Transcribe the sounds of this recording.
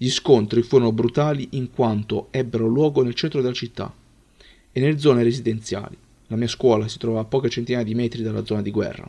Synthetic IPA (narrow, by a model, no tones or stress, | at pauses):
ʎiskont̪ɾifuːɾonobɾut̪aːliʔiŋkwant̪oɛbːeɾolwɔːɡonelt͡ʃɛnt̪ɾod̪elːat͡ʃit̪ːa̰ | enːeled̪zɔːneɾezid̪ent̪sja̰ːli | lamiːaskwɔːlasi̥t̪ɾɔvaːpːɔːket͡ʃent̪inaːjed̪imɛːt̪ɾid̪alːa̰d̪zɔːnad̪iɡwɛ̰rːa̰